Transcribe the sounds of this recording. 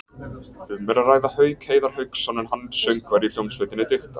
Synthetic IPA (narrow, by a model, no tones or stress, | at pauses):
ʏmːɛɾaraːjðahœːɥkheːjðaɾ̥hʏɥksːanɛnhanːsœɥŋkvaɾiljownsvœjt̪ɪnɪt̪ʏxt̪a